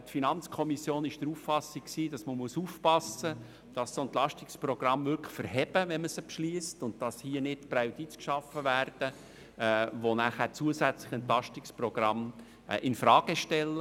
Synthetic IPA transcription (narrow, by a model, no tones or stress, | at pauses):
tfinɑnt͡skʰɔmisjoːnɪʃd̥ɾuffɑsikksiːdɑsməmuəsuːfpɑsə | d̥ɑssoɛnt̪lɑʃtiksprɔɡ̥rɑmvʏɾkχfəɾɦɛbəʋɛnməsəpʃliəstʊnt̚d̥ɑshiənɪtpɾaʊtiːt͡skʃɑfːəvæːrd̥ə | ʋonæχæt͡suəsæt͡slɪχɛnt̪lɑʃtikspɾɔɡ̥ɾɑm | ʔɪnfɾɑːɡ̥əʃtɛlːə